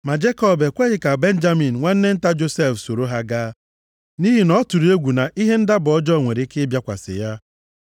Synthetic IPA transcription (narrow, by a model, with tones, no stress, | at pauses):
ma˨d͡ʒe˦kɔ˦be˨kʷe˦ɣɪ˨ka˨be˦n̩˦d͡ʒa˦mi˨n̩˨ŋʷe˦n̩˦ne˦n̩˦ta˦d͡ʒo˦se˦˨fso˨ɾo˦ɦa˦ɡaː˦ | ni˦ɦi˨nɔ˦tu˨ɾi˨˦e˦ɡʷu˨na˨ʔi˦ɦe˦n̩˦da˦bʊ˨ɔ˦d͡ʒɔ˦˨ŋʷe˨ɾi˨˦kɪ˦bja˦kʷa̰˨sɪ̰˨ja˦